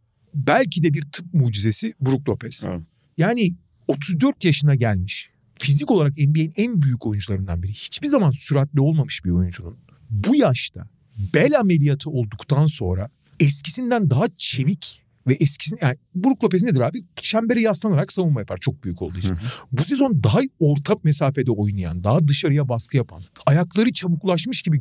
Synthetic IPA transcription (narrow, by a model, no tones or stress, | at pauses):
bælʲcʰid̪ɛbiɾt̪ʰɯp̚muːd͡ʒize̞sibuɾuk̚lˠo̞pʰɛs | jaːni | o̞t̪ʰuzd̪øɾt̪jaʃɯnaɟælʲmiʃ | fizico̞lˠaɾakɛmbiejinænbyjycʰo̞jund͡ʒulˠaɾɯnd̪a̰nbiɾihi̥t͡ʃbiɾzamansyɾat̪lʲio̞lˠmamɯʃbiɾo̞jund͡ʒunun | bujaʃt̪ʰa̰ | bɛlʲame̞lijat̪ʰɯo̞lˠd̪ukt̪ʰanso̞nɾa̰ | ɛscʰisind̪ænd̪aɦat͡ʃʰe̞vic | vɛʔɛscʰi̥sinjabuɾuklˠo̞p̬eined̪iɾaːbiʃæmbeɾɛjaslˠanaɾaksavunmajapʰaɾt͡ʃʰo̞k̚byjycʰo̞lˠd̪uit͡ʃnbusizo̞nd̪aɦajo̞ɾt̪ʰammesaːfe̞d̪ɛo̞jnaja̰nd̪aɦad̪ɯʃaɾɯjabaskʰɯjapʰa̰najaklˠaɾɯt͡ʃʰabuklˠaʃmɯʃɟibi